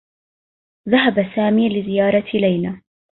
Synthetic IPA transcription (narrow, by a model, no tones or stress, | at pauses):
ðaɦabasaːmiːlɪzɪjɑːɾˤɑlajnaː